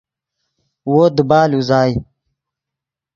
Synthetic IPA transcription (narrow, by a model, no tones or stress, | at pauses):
woːd̪ubaːluzaːji